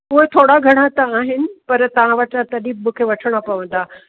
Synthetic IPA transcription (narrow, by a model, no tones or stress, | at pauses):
koːit̪ʰoːɽaɡʱɐɽ̃at̪aːɦɪnɪ̆pɐɾt̪ɐʋ̤ãʋəʈat̪ɐɗĩmũːkʰeʋɐʈʰəɽ̃apɐʋə̃nd̪aː